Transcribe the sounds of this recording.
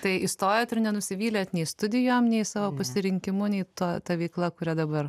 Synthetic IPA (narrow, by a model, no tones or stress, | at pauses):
t̪ɐɪʔɪst̪oːjoːt̪ɪrnʲɛnʊsʲɪʋʲiːlʲeːt̪nʲɛɪst̪ʊd̪ʲɪjoːmnʲɛɪsɑːʋoːpɐsʲɪɾʲɪŋʲkʲɪmʊnʲɛɪt̪uɔt̪ɐʋʲɛɪklˠɐkʊɾʲɛd̪ɐbɐr